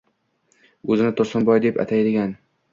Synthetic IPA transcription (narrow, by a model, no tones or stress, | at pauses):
ɵzɪnɪt̪ʰʊɾsɪnbɒjd̪epa̰t̪ʰajd̪ɪɡʲan